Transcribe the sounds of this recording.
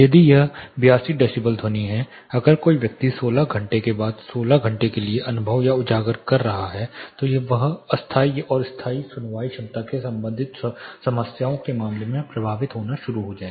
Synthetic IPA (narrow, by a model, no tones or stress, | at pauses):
jɐd̪ijɐɦbjaːsiɖeːsibəld̪ʱoːniɦɛ | ɐɡəɾkoːiʋjɐk̚t̪isoːlaɡʱɐ̃ɳʈekebaːd̪soːlaɡʱɐ̃ɳʈekelieʔɐnʊbʱəʋjaʊd͡ʒaːɡəɾkɐɾːɐɦaɦɛːt̪ojeʋɐɦɐst̪ʰaːiɔːɾst̪ʰaːisʊnʋaːiʃɐnt̪akesɐ̃mbə̃nd̪ʱɪt̪sɐməsjaːõkemaːmlemẽpɾɐbʱaːʋɪt̪ɦoːnaʃʊɾuɦod͡ʒaːeɡ